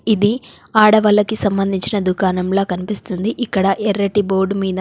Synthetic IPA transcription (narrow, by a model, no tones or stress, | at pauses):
id̪i | aːɽɐʋɐlːɐkisɐmbɐnd̪ʱiɲt͡ʃinɐd̪ukaːnɐmloːkɐnipist̪und̪iʔikːɐɽɐʔɛɾːɐʈiboːɾɖmiːd̪ɐ